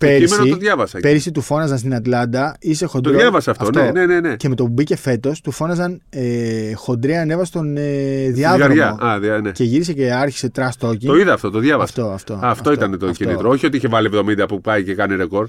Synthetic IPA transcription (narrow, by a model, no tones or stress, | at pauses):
peeɾiment̪oðʝɐvɐsɐpeɾisit̪ufo̞nɐzɐnst̪inɐt̪lɐnd̪ɐise̞xo̞nd̪ɾoɐvɐsɐɐftɐonenenenece̞me̞t̪o̞pubice̞fe̞t̪o̞st̪ufo̞nɐzɐnexo̞nd̪ɾeɐnevɐse̥t̪oneðiɐðɡɐoʝɐɐðɐnece̞ʝiɾiseceɐɾçi̥se̞t̪ɾɐst̪o̞cit̪oiðɐːft̪o̞t̪oðʝɐvɐsfɐt̪o̞ɐftt̪o̞ɐft̪o̞it̪ɐnt̪oinit̪ɾooçio̞t̪iiçevɐlievðo̞mind̪ɐpupɐicekɐniɾeko̞ɾ